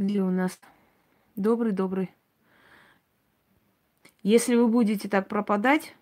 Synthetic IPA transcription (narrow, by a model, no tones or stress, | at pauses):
ɡdʲeʊnas | d̪o̞bɾɨjd̪o̞bɾɨj | jesʲlʲɪvɨbudʲɪt̬ʲɪt̪ak̚pɾəpɐd̪atʲ